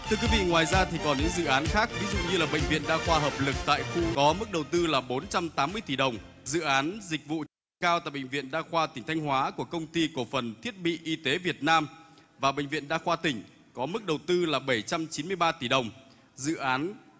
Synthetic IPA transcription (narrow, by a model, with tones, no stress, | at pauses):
t̪ʰɨ˧əkwi˨˦vḭ˧˨ŋwaː˨˩jzaː˧t̪ʰi˨˩kɔ˨˩nɲɨ̰˧˥ŋzɨ̰˧˨ʔaː˨˦nxaː˦˥k̚vi˨˦zṵ˧˨ɲɨ˧laː˨˩ɓə̰˧˨jŋ̟vḭ˧˨ənɗa̰ː˧xwaː˧ɦəː˨˩p̚lɨ˨˩k̚t̪a̰ː˧˨jfṵ˧kɔ˨˦mɨ˦˥k̚ɗə˨˩wt̪ɨ˧laː˨˩ɓo˨˦nt͡ɕa˧mt̪aː˨˦mːɨ˧əjt̪i˧˩ɗə˨˩wŋ͡m | zɨ̰˧˨ʔaː˨˦nzï˨˩k̚vṵ˧˨ | kaː˧wt̪a̰ː˧˨jɓə̰˧˨ŋ̟vḭ˧˨ənɗa̰ː˧xwaː˧t̪ï˨˩ŋ̟t̪ʰa˧jŋ̟hwaː˨˦ku˧˩əkə˧wŋ͡mt̪i˧ko˧˩fə˨˩nt̪ʰi˦˥ət̚ɓḭ˧˨ʔi˧t̪e˨˦vi˨˩ət̚naː˧mvaː˨˩ɓə̰˧˨jŋ̟vḭ˧˨ənɗaː˧xwaː˧t̪ï˧˩ŋ̟ | kɔ˨˦mɨ˦˥k̚ɗə˨˩wt̪ɨ˧laː˨˩ɓə˧˩jt͡ɕa˧mt͡ɕi˨˦nmɨ˧əjɓaː˧t̪i˧˩ɗə˨˩wŋ͡m | zɨ̰˧˨ʔaː˨˦n